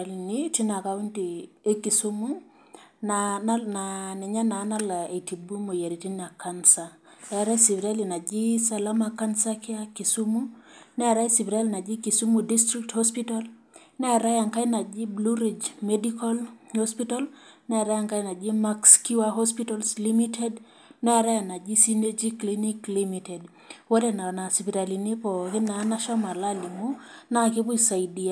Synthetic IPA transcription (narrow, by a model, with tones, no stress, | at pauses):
lni˦ti˦na˨ka˦wu˦nti˨ | e˦ki˨su˦mu˦ | nanananɛ˨ɲa˦na˨˦na˦la˨e˨ti˨bu˦mo˨je˨ɾi˨ti˦na˨kansa | ta˨a˨ɾa˦jsi˨vɾa˦li˨na˨d͡ʒi˦sa˨la˦ma˨ka˦nsakɪ˦a˦ki˨su˦mu˦nɛ˦a˨ɾa˦i˦si˨vɾa˦lna˨d͡ʒi˦ki˨su˦mu˨di˦stɾik̚tho˦spital | nɛ˦a˨ɾa˦ja˨ŋka˦ɪ˦na˨d͡ʒɪ˦blu˦ɾid͡ʒmedika˦lho˦spita˦lnɛ˦a˨ɾa˦ja˨ŋka˦na˨d͡ʒɪ˦ma˦ksku˦waɦɔ˦spitalslimitɛ˦d | nɛ˦a˨ɾa˦ja˨na˨d͡ʒi˦si˦ne˦d͡ʒi˦klini˦klimitɛ˨d | wɔ˦dɛ˨na˨na˨si˨pi˨ɾa˨li˨nɪ˦pɔ˨kɪ˦na˨˦na˦ʃɔ˦ma˨la˦li˨mu˦na˦˨kɪ˦pʊ˦sa˨i˨dia˨